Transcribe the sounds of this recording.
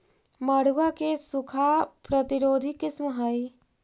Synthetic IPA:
məɽ̤uwakesukʰapɾət̪iɾoːd̪ʱikɪsmɦəj

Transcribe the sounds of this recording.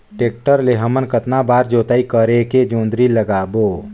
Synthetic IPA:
ʈeːk̚ʈəɾleɦəmənkət̪nabaːɾd͡ʒoːt̪aːikəɾeked͡ʒõːnd̪ɾiləɡaːboː

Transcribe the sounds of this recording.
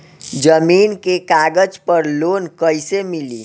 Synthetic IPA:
d͡ʒəminkekaɡəd͡ʒpəɾlonkəjsemilḭ

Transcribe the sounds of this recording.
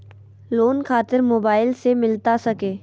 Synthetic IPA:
loːnkʰaːt̪ɪɾmoːbaːɪlsemɪlt̪asɐkeː

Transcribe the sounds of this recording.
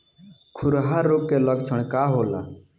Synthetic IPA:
kʰuɾɦaɾːokːeləɡt͡ʃʰəɽ̃kaːɦoːla̰

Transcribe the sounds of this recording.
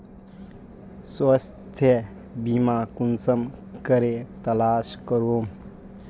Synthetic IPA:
swɐst̪ʰjə | bimakunsəmkəɾet̪ɐlaːskəɾoːm

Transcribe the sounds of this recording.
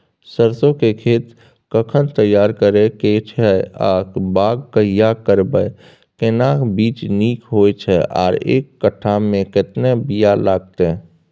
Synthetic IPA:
səɾsõkekʰeːt̪ | kəkʰənt̪əjːaːɾkəɾeket͡ʃʰɛaːkbaːɡkəijakəɾbəe | kenabiːt͡ʃniːkɦoːjt͡ʃʰɛʔɔ̰ːɾḛːkːəʈʰːamẽkɪt̪nebijalaːɡ̚t̪e

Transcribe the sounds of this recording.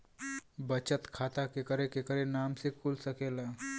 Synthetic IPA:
bət͡ʃət̪kʰat̪akekəɾekekəɾenamsekulsəkela

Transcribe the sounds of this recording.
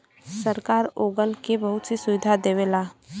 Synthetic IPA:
səɾkaːɾoːɡənkebɐɦʊt̪sisʊʋɪd̪ʱad̪eːʋeːlaː

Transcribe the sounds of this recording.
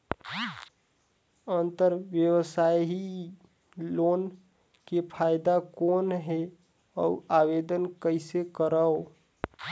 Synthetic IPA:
ənt̪əɾʋjəwsai | loːn | kepʰajd̪akoːnɦe | ɔ̰uawed̪ənkəɪsekəɾəo

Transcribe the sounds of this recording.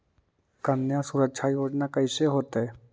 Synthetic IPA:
kənjãsuɾəkʃʰaioːd͡ʒnakəɪseɦoːt̪ɦɛ

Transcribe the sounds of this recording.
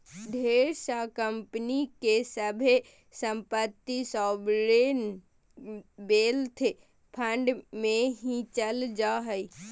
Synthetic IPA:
ɖʱeːɾsakəmpənikesəbʱe | səmpət̪ːisɔːbɾen | beːlt̪ʰe | pʰə̃ɳɖmẽɦĩt͡ʃəld͡ʒaɦəi

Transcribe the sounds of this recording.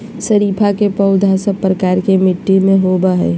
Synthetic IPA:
səɾiːpʰakepəʊd̪ʱasəpːɾəkaːɾkemɪʈːimẽɦoːbaɦɛ̰ː

